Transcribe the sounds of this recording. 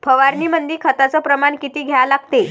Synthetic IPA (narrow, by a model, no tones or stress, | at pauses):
pʰəʋaɾniːmənd̪iːkʰət̪at͡sɔpɾəmaɳkit̪iːɡʱjalaɡ̚t̪e